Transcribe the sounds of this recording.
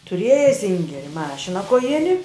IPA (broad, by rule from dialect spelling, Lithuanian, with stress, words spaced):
tʊˈrʲiɛjɛ ˈsʲɪŋʲɡʲɛrʲɪ ˈmɑːʃʲɪnɐ koːˈjɪnʲɪ